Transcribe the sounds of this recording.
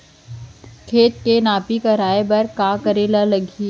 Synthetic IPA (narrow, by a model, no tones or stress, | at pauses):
kʰeːt̪̚kenaːpikɐɾaːebɐɾkaːkɐɾelalɐɡʱiː